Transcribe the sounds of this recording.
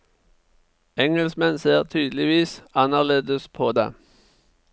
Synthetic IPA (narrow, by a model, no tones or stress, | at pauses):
ɛŋɛlsmɛnseːʁt̪ʰyːd̪lɪʋiːsɑnəʁleːd̪əspʰoːd̪ḛː